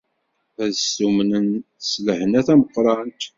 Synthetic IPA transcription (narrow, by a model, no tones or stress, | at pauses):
æðəsumnən | sləhənæθæməqːɾˤɑnt̪